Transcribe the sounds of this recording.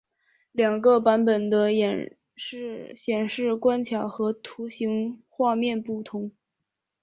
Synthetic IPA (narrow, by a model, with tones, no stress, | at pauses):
ljɑ˨˩ŋɡə˧pa˧˥npə˨˩nd̪ə˦jɛ˨˩n | ʂ̩˥˧ɕjɛ˨˩nʂɻ̩˥˩kwa˥nt͡ɕʰjɑ˨˩ʊxɤ˧˥t̪ʰu˧˥ɕi˧˥ŋxwa˥˧mjɛ˥˧npu˥˩t̪ʰʊ˧˥ŋ